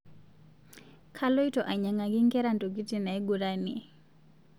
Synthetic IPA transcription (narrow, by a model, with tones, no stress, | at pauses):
kʰa˦lɔ˦i˦tɔ˨ʔa˨ɲa˨ŋa˨ki˦ŋkɛ˦ɾa˦ntu˨k̬i˦ti˨na˨ɛ˦ɡu˨ɾa˦ni˨ɛ˨